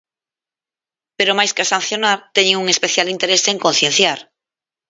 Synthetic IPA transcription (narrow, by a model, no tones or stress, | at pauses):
peɾomajskeasan̟θjonaɾt̪eɲeŋuŋespeθjalint̪eɾeseŋkon̟θjen̟θjaɾ